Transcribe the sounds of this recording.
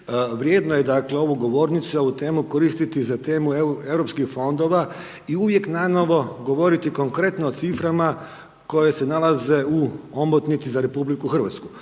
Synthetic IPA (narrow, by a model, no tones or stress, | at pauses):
ʋɾje̞ːd̪noje̞d̪akle̞o̞ʋuɡo̞ʋo̞ɾnit̪suo̞ʋut̪e̞ːmuko̞ɾist̪it̪izat̪e̞ːmueʋɾo̞pskixfo̞nd̪o̞ʋa | iuʋje̞knano̞ʋo̞ɡo̞ʋo̞ɾit̪iko̞ŋkɾe̞t̪noːt̪sifɾama | ko̞je̞senalaze̞uombot̪nit̪sizaɾe̞publikuxr̩ʋa̰t̪sku